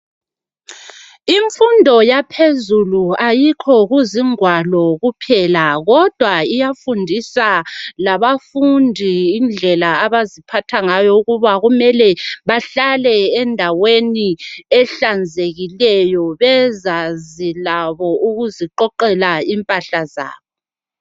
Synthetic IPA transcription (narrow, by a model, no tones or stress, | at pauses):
iɱfundʱɔjapʰezuluajikʰɔɣuziŋwalɔɣupʰɛlaɣɔd̥ʱwaijafundʱisalaβafundʱiːnd͡ɮʱɛlaaβazipʰatʰaŋajɔuɣuβaɣumɛlɛβaɬalɛːndʱaweniɛɬand͡zʱeɣilɛjɔβɛzazilaβɔʔuɣuziǃɔǃɛlaimpʼaɬaza̰ːβɔ